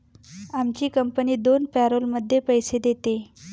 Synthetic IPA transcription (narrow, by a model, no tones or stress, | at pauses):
amt͡ɕiːkəmpəniːd̪onpæɾolməd̪ʱːjepəjsed̪et̪e